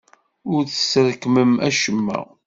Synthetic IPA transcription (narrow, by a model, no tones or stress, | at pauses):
ʊɾθə̥səɾkməmʔæ̰ʃəmːæ̰